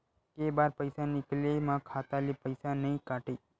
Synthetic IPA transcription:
kebaɾpəjsanɪklemãkʰat̪alipəjsanəĩkaʈe

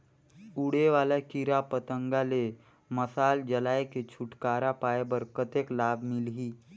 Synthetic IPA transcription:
uɽeʋaːlakiɾapət̪əŋɡale | məsaːld͡ʒəlaːeket͡ʃʰʊʈkaːɾapaːebəɾkət̪eklaːbʱmɪlɦiː

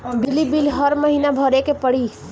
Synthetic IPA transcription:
b̪ilibilɦəɾməɦinabʱəɾekepəɽi

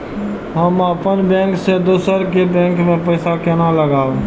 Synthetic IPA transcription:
ɦəməpənbẽːŋksed̪oːsəɾkebẽːŋkmẽpəɪsakenãləɡaːʋeː

